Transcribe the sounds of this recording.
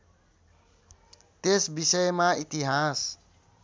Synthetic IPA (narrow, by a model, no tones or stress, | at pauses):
t̪esbisəjmait̪iɦas